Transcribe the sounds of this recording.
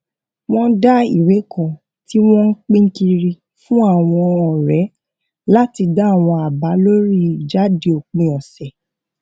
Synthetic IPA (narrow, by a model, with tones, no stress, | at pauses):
w̃ɔ̃˦da˦i˨we˨˦kɔ̃˨ | ti˦w̃ɔ̃˦ŋ̩˦k͡pĩ˦ŋ̩˦ki˧ɾi˧ | fũ˦a˦˨w̃ɔ̃˧ɔ˨ɾɛ˨˦ | la˦ti˧da˦˨w̃ɔ̃˧a˨ba˨˦lo˦ɾi˦˨d͡ʒa˦de˧˨o˨k͡pĩ˨ɔ̃˨sɛ˨